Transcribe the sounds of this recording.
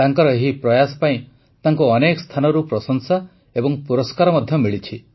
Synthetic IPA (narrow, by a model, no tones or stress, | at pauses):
t̪aŋkɔɾɔeɦipɾɔjasɔ̥paĩ | t̪aŋkuɔnekɔst̪ʰanɔɾupɾɔsɔŋsa | ebɔŋpuɾɔskaɾɔmɔd̪ʱjɔmiɭit͡ʃʰi